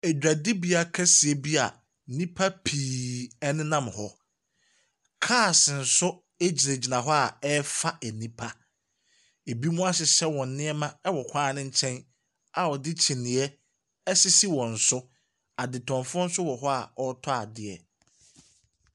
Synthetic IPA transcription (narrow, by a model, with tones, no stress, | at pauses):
ɛ˨d͡ʑᶣa˨dɪ˦bi˦a˨kʰɛ˦si˨ɛ˦bi˦a˨ | nĩ˦pʰa˦pʰiː˨ɛ˦nɪ̃˦nã˦mhɔ˦ | kʰaː˦˨sɪ˨n̩˨sʊ˦ | e˦d͡ʑi˨ɾe˨d͡ʑi˨nã˨ɦɔ˦a˨ɛ˦fa˦ʔɛ˨nĩ˦pʰa˦ | e˨bi˦mũ˦a˦ɕɪ˨ɕɛ˦wɔ̃˨n˨nɪ̃˦ɛ˦mã˦ɛ˦wɔ˨kʰʷãː˦˨nɪ̃˦ɲ̩˦t͡ɕʰɛ̃˦n | a˨ɔ˨dɪ˦t͡ɕʰĩ˨nɪ̃˨ɛ˦ | ɛ˦sɪ˦si˦wɔ̃˨n̩˨sʊ˦ | a˨dɪ˨tʰɔ̃˨ɱfʊ̃˦n̩˦sʊ˦wɔ˨ɦɔ˦a̰˨ɔ˦tʰɔ˦a˨dɪ˨ɛ̰˨